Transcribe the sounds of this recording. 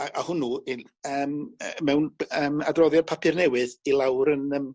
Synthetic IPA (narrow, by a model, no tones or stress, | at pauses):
aʔahʊnuːɪ | əːməmɛwnəːmadrɔðjɔr̚pʰapʰɨrnɛwɨðilˠawɾənəm